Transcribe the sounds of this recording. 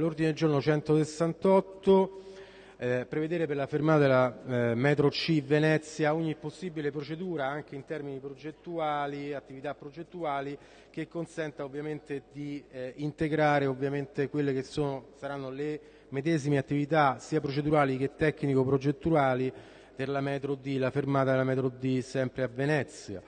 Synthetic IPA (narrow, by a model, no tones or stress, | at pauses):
lːord̪ined̪eld͡ʒornot͡ʃɛnt̪osesːant̪ɔt̪ːo | pɾeved̪eːɾeperlafermaːt̪ad̪elamɛt̪ɾot͡ʃːivenɛt̪sːjaoɲːipːosːibilepɾot͡ʃed̪uːɾaaŋk̟eint̪ɛrminipɾod͡ʒet̪ːuaːliat̪ːivit̪apːɾod͡ʒet̪ːuaːli | k̟ekːonsɛnt̪aovːjament̪ed̪iint̪eɡɾaːɾeovːjament̪ekwelːek̟esːoːnosaɾanːole | med̪ɛːzimeat̪ːivit̪asiːapɾot͡ʃed̪uɾaːlik̟et̪ːɛkːnikopɾod͡ʒet̪ːuaːli | p̪erlamɛːt̪ɾod̪ilafermaːt̪ad̪elamɛt̪ɾod̪ːisɛmpɾeavenɛt̪sja̰